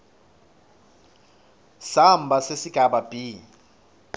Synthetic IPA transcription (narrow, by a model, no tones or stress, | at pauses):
sambʱasesiɡ̥ʱabab̥ʱʼiː